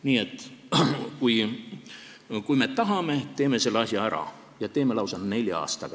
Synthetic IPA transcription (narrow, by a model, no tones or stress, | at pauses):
niːe̞t̪ːˑ | kuj | kujme̞t̪ɑɦɑme̞t̪e̞ːme̞se̞lːeɑsʲjɑæɾɑ̰ | jɑt̪e̞ːmelɑwsɑnne̞lʲjɑɑ̰ːst̪ɑɡ̥